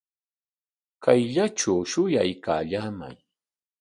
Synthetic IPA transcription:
kajʎaʈ͡ʂawʃʊjajka̰ːʎaːma̰j

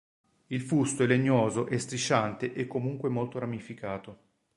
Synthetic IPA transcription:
ilfust̪oelːeɲːoːzoʔɛst̪ɾit͡ʃːant̪eʔɛkːomuŋkwemolt̪oɾamifikaːt̪o

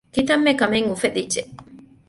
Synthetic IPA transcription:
kit̪ɐmːekɐmeŋufed̪id͡ʒeʔ

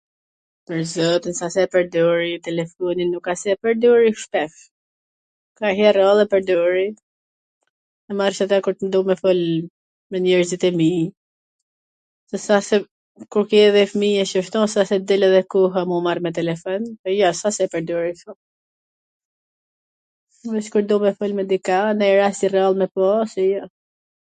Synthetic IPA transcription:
pəɾzɔt̪ənsasɛpəɾd̪ɔɾit̪ɛlɛfɔninukasɛɛpəɾd̪ɔɾiʃpɛf | kaɦɛɾɔlˠɛpəɾd̪ɔɾi | ɛmaɾʃat̪akuɾt̪ənd̪umɛfɔl | mɛɲɛɾzit̪ɛmi | sɛsasɛ | kuɾkɛɛðɛfmiɛʃəʃt̪ɔ̃sasɛd̪ɛlɛðɛkuɦamumaɾmɛt̪ɛlɛfɔnɛjɔsasɛpɛɾd̪ɔɾiʃɔ | vɛskuɾd̪umɛfɔlmɛd̪ikanajɾast̪irɛalˠmɛpɔsɛjɔ

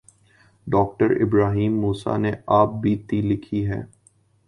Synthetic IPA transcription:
ɖɔːk̚ʈəɾɪ̰bɾaːɦiːmːuːsa̰neaːp̚bʱiːt̪ilɪkʰiɦɛ̰ː

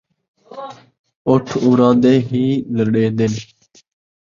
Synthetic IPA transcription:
ʊʈʰuːɾãːd̪eːɦiːləɽeːd̪en

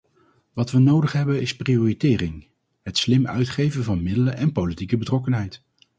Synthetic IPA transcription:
ʋɑtʋənowdəχɦɛbənɪsprijoːritɪːrɪŋ | ɦətslɪmœ̰ɥtχejvəvɑnmɪdələnʔɛnpowlitikəbətrɔkənɦɛjt

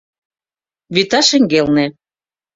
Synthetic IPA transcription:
βyt̪ɑʃɘ̆ŋɡelnĕ

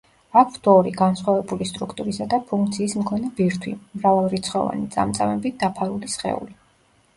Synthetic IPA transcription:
akʰsd̪ɔɾiɡansχwavɛbulist̪ʼɾukʰt̪ʼuɾisad̪apʰuŋkʰt̪sʰiːsmkʰɔnɛbiɾt̪ʰwḭmɾavalˠɾit̪sʰχɔ̰va̰nit̪sʼa̰mt̪sʼamɛbid̪apʰaɾulisχɛ̰ṵli

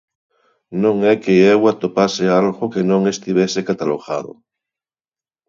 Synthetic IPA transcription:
nõŋɛkeewat̪opasealɣokenõŋest̪iβesekat̪aloɣa̰ðo̰

